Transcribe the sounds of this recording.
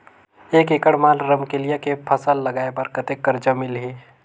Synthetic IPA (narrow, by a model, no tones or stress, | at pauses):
eːkekəɽmaːlɾəmkelijekepʰəsəlːɐɡaːebəɾkət̪ekːəɾd͡ʒəmɪlɦiː